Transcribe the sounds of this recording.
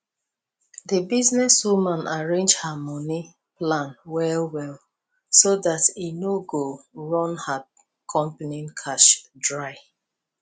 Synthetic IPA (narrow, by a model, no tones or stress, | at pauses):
dəbiznɛswumãnaɹẽnd͡ʒhamɔni | plãnwɛlwɛl | sodatinoɡoɹɔ̃nha | kʰɔ̃mpanĩnkʰaʃdɹaɪ